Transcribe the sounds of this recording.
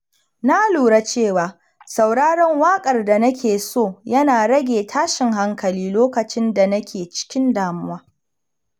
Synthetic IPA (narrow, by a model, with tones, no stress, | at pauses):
na˦luː˨ɽa˦t͡ʃeː˦˨waː˨ | sa˨wɽaː˦ɽɐ˦ŋwaː˦kʼɐ˨rda˨nɐ˦kʲʰeː˨soː˦˨jɐ˦naː˨ɽɐ˦ɡʲeː˨tʰaː˦ʃɪ˨ŋɦa˦ŋkɐ˨liː˦loː˦kɐ˨t͡ʃɪ˦nda˨nɐ˦kʲʰeː˨t͡ʃɪ̥˦kʲɪ˦ndaː˨mʊ˦waː˦